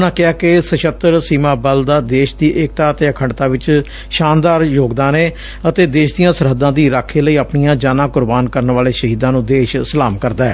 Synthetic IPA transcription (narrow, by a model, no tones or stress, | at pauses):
nãːkɪaːkɪsəʃət̪ːəɾsiːmãːbəld̪aːd̪eːʃd̪iːʔɪk̚t̪aːət̪eːəkʰəɳɖt̪aːʋɪt͡ʃ | ʃaːnd̪aːɾjoːɡd̪ãːneː | ət̪eːd̪eːʃd̪ijãːsəɾɦəd̪ːãːd̪iːɾaːkʰːeːləiːəpnijãːd͡ʒaːnaːkʊɾbaːnkəɾnʋaːleːʃəɦiːd̪ãːnũːd̪eːʃsəlaːmkəɾd̪aːɛ̰ː